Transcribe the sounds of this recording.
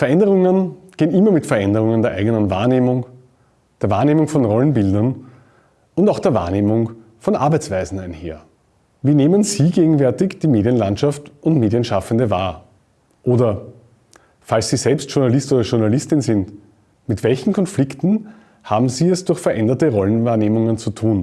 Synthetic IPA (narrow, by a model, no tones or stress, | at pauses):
fɛɐʔɛndəʁʊŋənɡ̥eːənɪmɐmɪtfɛɐʔɛndəʁʊŋəndeːɐʔa̰ɪɡənənva̰ːɐneːmʊŋ | d̥eːɐva̰ːɐneːmʊŋfɔnʁɔlənbɪldɐn | ʔʊntaʊxd̥eːɐva̰ːɐneːmʊŋ | fɔnʔa̰ɐbæɪt͡sv̥æɪzn̩æɪnhḛːɐ | viːneːmənz̥iːɡeːɡŋ̩vɛɐtɪçd̥iːmeːdiənlãntʃaftʔʊntmeːdiənʃafəndəva̰ːɐ | ʔoːdɐ | falssiːzɛlpstʃʊɐnalɪstoːdɐʃʊɐnalɪstɪnzɪnt | mɪtv̥ɛlçn̩kʰɔnflɪktn̩ | haːbm̩ziːɛsd̥ʊɐxfɛɐʔɛndɐtəʁɔlənvaːɐneːmʊŋənt͡sutʰuːn